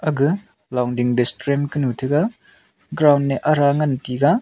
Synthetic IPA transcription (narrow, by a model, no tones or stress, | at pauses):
ɐɡɯ | lawndiŋɾestɾemkɯnutʰɯɡa | ɡɾawnːeʔɐɾaŋantiɡa